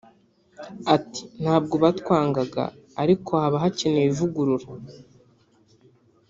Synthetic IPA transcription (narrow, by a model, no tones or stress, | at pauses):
ati̥n̥haːb̚ɡo̞βatwaːŋɡaɡa̰ː | ɾikʰo̞haβaɦaceneβivuɡuɾuɾa